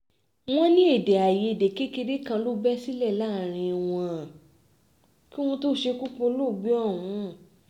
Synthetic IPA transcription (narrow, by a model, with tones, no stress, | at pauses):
w̃ɔ̃˦nĩ˦e˦˨dɛ˨a˨je˨˧˨de˨ke˦ke˧de˦kã˧lo˦bɛ˦si˦lɛ˦˨la˦˨ɾ̃ĩ˧w̃ɔ̃˧˨ | ki˦w̃ɔ̃˦to˦ʃe˧ku˦k͡pũ˧˦lo˦˨ɡ͡bi˦ɔ˦˨w̃ũ˨˦˨